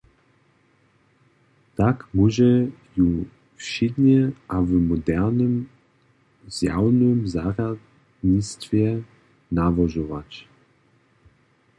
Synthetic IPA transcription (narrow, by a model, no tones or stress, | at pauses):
t̪akmuʒɛju | fʃɪd̪ɲɛʔavmɔd̪ɛʁnɨm | zja̰wnʏmzarad̪ | ɲist̪fʲjɛ | navɔʒɔvat͡ɕ